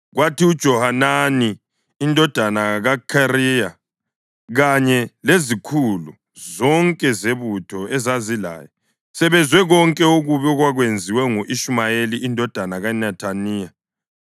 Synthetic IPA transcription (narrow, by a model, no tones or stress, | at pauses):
ɣwatʰiud̥ʒ̥ʱɔhananiː | ndʱɔd̥ʱanaɣakʰarija | ɣaɲɛlezikʰulṵ | zɔŋkʼɛzeβutʰɔɛzazila̰ːjɔ | sɛβɛnzʱwɛɣɔŋkʼɛoɣuβɛɔɣwaɣwend͡zʱiwɛŋuʔiʃumajeliʔindʱɔd̥ʱanaɣanɛtʰaniːja